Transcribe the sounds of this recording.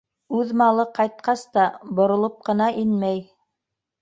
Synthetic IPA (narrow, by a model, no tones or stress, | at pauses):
ʉðmɑlˠɤqɑjt̪̚qɑst̪ɑbŏɾŏlˠop̚qɤ̆nɑʔinmæj